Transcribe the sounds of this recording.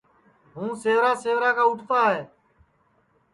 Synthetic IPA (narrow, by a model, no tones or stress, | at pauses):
ɦũːseːʋɾaːseːʋɾaːkaːʊʈʰt̪aːɦeː